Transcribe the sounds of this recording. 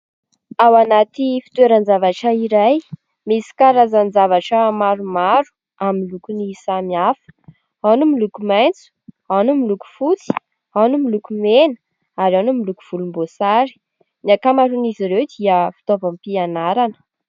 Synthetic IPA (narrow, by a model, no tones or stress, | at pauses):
awanat̪ifi̥t̪weɾənzavaʈ͡ʂəiɾaj | misi̥kaɾazanzavaʈ͡ʂəmaɾumaɾu̥ | amilukunisamiafə̥ | anumilukumajnt͡su̥ | anumiluku̥fut͡si̥ | anumilukumenə̥ | aɾanumilukuv̥ulumbosaɾi̥ | niakamaɾuniziɾewd̪iəfi̥t̪ovampianaɾanə̥